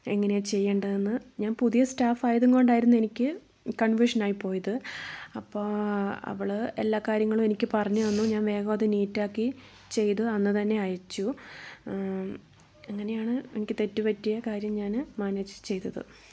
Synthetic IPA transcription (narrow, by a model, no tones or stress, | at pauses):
eŋːɐnet͡ɕe̞jːeːɳɖɐðenːɨɲaːnpuðijɐstaːfaːjɐðuŋko̞ɳɖaːjiɾunːe̞nikʲːɨ | kɐɳʋiʂɐnaːjipo̞ːjɐðɨɐpːoːɐ̰ʋiɭelːaːkaːɾjɐŋːɐɭume̞nikʲːɨpɐrɐɲːuʋenːuɲaːnʋe̞ːɣɐmɐðɨniːtːaːkːi | t͡ɕe̞jt̪ɨɐnːɨt̪ɐnːe̞ɐjɐt͡ɕːu | ɐŋːɐne̞jaːɳɨḛnikʲːɨt̪e̞tːɨpɐtːijɐkaːɾjɐmɲaːnmaːneːd͡ʑɨt͡ɕe̞jt̪ɐðɨ̰